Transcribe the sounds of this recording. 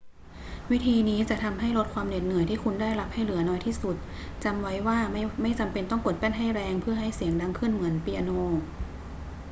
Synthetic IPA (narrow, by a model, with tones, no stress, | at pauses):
wi˦˥t̪ʰiː˧niː˦˥t͡ɕa˨˩ʔt̪ʰa˧mɦa˥˩jlo˦˥t̪̚kʰwaː˧mne˨˩t̪̚nɯ˨˩˦jt̪ʰiː˥˩kʰu˧ndaː˥˩jla˦˥p̚ha˥˩jlɯ˨˩˦ɐnɔː˦˥jt̪ʰiː˥˩su˨˩t̪̚ | t͡ɕa˧mwa˦˥jwaː˥˩˥ma˥˩jt͡ɕa˧mpe˧nt̪ɔ˥˩ŋko˨˩t̪̚pɛː˥˩nɦa˥˩jɾɛː˧ŋpʰɯ˥˩ɐɦa˥˩jsi˨˩˦əŋda˧˥ŋkʰɯ˥˩nmɯ˩˦ənpi˧a˧noː˧